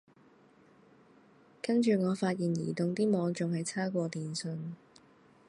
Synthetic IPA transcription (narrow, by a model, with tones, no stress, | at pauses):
kɐ˥nt͡ʃyː˨ŋɔː˨˧faː˧t̚jiː˨njḭː˨˩t̪ʊ˨ŋt̪iː˥mɔː˨˧ŋt͡sʊ˨ŋhɐ˨jt͡sʰaː˥kʷɔː˧t̪iː˨nsɵ˧n